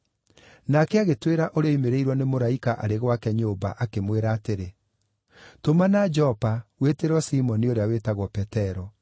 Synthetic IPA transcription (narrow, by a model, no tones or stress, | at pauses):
nakɛaɣetweɾaʔoɾeɔimeɾeiɾwɔnemoɾaikaʔaɾeɣwakɛɲoba̰ʔakemweɾaːteɾe | tomanad͡ʒɔpaweteɾɔsimɔnioɾeawetaɣwɔpɛtɛɾɔ